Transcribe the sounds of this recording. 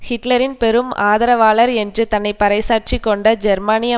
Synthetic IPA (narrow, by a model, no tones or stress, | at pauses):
hɪʈlɐɾɪnpɛɾɯmaːðɐɾɐʋaːɭɐɾɛndrɯt̪ɐnːɐɪpːɐɾɐɪsaːʈ̚t͡ʃikːɔɳɖɐd͡ʒɛɾmaːnɪjɐ